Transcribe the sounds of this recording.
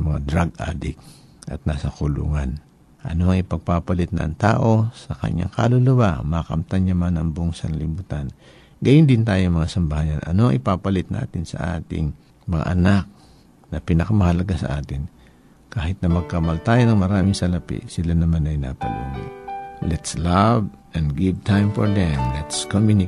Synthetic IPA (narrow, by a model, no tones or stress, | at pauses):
mɐŋad̪ɾaɡa̰ːd̪ɪk̚ | ʔɐ̰t̪̚naːsɐkʊlṵːŋan | ʔɐ̰no̞ɐŋɪpɐɡ̚papɐlɪt̪̚nɐʔɐŋt̪a̰ːʔo̞sɐkɐ̰ɲa̰ŋkalʊlɐwamakɐ̰mt̪anɲamanɐŋboŋsɐŋlɪbuːt̪an | ɡɐjɪnd̪ɪnt̪aːjoŋmɐŋasɐmbɐhajɐnʔɐ̰no̞ʔɐŋʔɪpapɐlɪt̪̚nʔa̰ːt̪ɪnsɐ̰ʔa̰ːt̪ɪ̰ŋ | mɐŋa̰ʔɐnak̚ | nɐpinɐkɐmɐhɐlɐɡasɐ̰ʔaːt̪ɪn | kaːhɪt̪̚nɐmɐɡ̚kɐmalt̪aːjonɐŋmɐɾaːmɪŋsɐlɐpḭʔsɪlanɐmanɐjna̰pɐ̰lṵnolɛt̪slab | ʔɛ̃nd̪ɡɪv̚t̪ajmfoɹd̪ɛmlɛt̪skomjunɪ